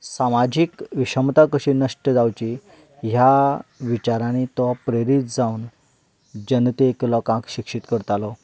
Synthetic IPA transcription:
samad͡ʑikʋiɕəmt̪akəɕinəʂʈəd͡zawt͡ɕi | ɦjaʋit͡ɕaɾãnit̪ɔpɾeɾit̪̚d͡zauːn | d͡ʑənt̪ieklɔkãkɕikʂit̪kəɾt̪alɔ

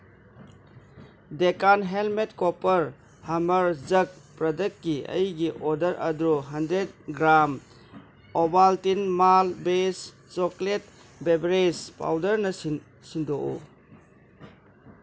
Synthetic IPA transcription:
dekanɦelmetkopɐɾ | hɐmɐɾd͡ʒɐk̚pɾɐdɐk̚ːiɐ̰jɡiʔodɐɾʔɐdɾuɦɐndɾet̚ɡɾam | obaltinmalbes | t͡ʃoklet̚ | bebɾespa̰wdɐɾnɐsi | sindoʔṵ

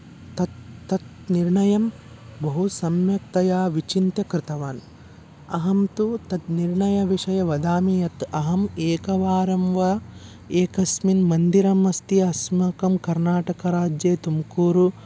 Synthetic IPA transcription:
t̪ɐt̪ːɐt̪ | niɾɳɐjɐm | bɐɦusɐmjɐk̚t̪ɐjaːʋit͡ʃint̪jɐkɾɪt̪ɐʋaːn | ɐ̰ɦɐmt̪ut̪ɐt̪niɾɳɐjɐʋiʂɐjɐʋɐd̪aːmijɐt̪ɐɦɐmeːkɐʋaːɾɐmʋɐ | eːkɐsminmɐnd̪iɾɐmɐst̪iɐsmɐkɐmkɐɾnaːʈɐkɐɾaːd͡ʒjeːt̪umkuːɾu

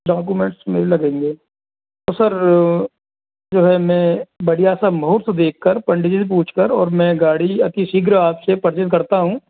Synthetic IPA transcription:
ɖaːk̬umẽːɳʈsmḛːɾelɐɡẽːŋɡeː | t̪oːsɐɾ | d͡ʒoːɦɛmɛ̃ːbɐɽijaːsamɦoːɾt̪d̪eːkʰːəɾpɐ̃ɳɖɪd͡ʒisep̬ũːt͡ʃʰkəɾɔːɾmɛ̃ɡaːɽiɐt̪isiɡɾəaːpsepɐɾt͡ʃɪt̪̚kɐɾt̪aɦũː

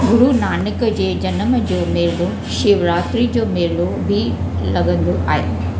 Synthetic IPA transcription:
ɡuɽunaːnɐkɐd͡ʒeːd͡ʒɐnɐmɐd͡ʒoːmeːlu | ʃiʋɾaːt̪ɾid͡ʒoːmeːlo | bʱi | lɐɡɐnd̪uʔa̰ːjḭ

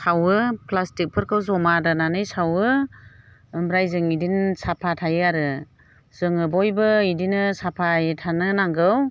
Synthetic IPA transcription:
sawɯplastik̚pʰɯɾkʰɯwzɔmadɯnanɯjsawɯ | ɯmbɾajzɯŋidinsapʰatʰajɯaɾɯ | z̥ɯŋɯbɔjbɯidinɯsapʰajetʰanɯnaŋɡɯw

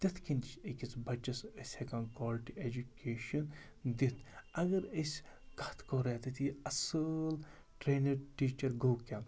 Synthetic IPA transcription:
t̪ɐt̪ʰkint͡ʃikʲit͡sbɐt͡ʃɐsəsʲekɐnkɔːlʈied͡ʒukeːʃɐn | d̪it̪ʰɐɡɐɾəsʲkɐt̪ʰkoːɾet̪it̪iɐsɨl | ʈɾeːnɐɾʈiːt͡ʃɐɾɡowkʲãː

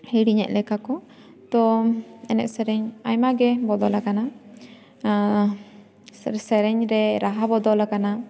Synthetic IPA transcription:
hiɽiɲɛ̰ʔ̚lɛkakɔ | t̪ɔɛnɛ̰ʔsɛɾɛɲajmaɡɛbɔd̪ɔlakana | ɾsɛɾɛɲɾɛɾaɦabɔd̪ɔlakana

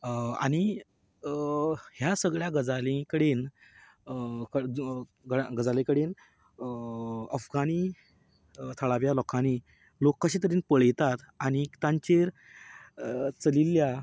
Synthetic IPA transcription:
a̰ɽ̃i | hjasəɡɭjaɡəd͡zalĩkəɽen | kə | ɡəɡəd͡zalekəɽen | əfɡañi | t̪ʰəɭaʋjalɔkʰani | lokːaɕiːt̪əɾiːnpəɭjt̪at̪ | aɽ̃it̪ãɲt͡ɕeɾ | t͡səlilːja

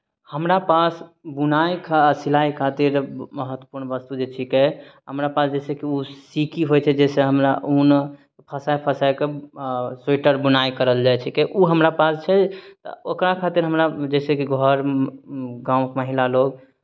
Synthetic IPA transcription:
həmɾapasbunajkʰasilaikʰat̪iɾməɦət̪wə̥puɾnbəst̪ud͡ʒet͡ʃʰikɛɦəmɾapasd͡ʒɛsekiusikiɦojt͡ʃʰɛd͡ʒɛseɦəmɾaʔun | pʰəsajpʰəsajke | seʈəɾbunajkəɾəld͡ʒajt͡ʃʰikɛʔuɦəmɾapast͡ʃʰɛt̪ə̰okɾakʰat̪iɾɦəmɾad͡ʒɛsekiɡʱɔɾ | ɡãũkməɦilaloɡ̚

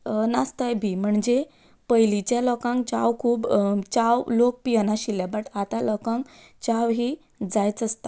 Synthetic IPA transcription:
nast̪əjbʱiːm̤əɳd͡ze | pəjlit͡ɕjalɔkãŋk̚t͡ɕa̰wkʰuːbt͡ɕawlok̚pijənaɕiljabəʈat̪alɔkãŋk | t͡ɕawɦiː | d͡zajt͡səst̪ḁ

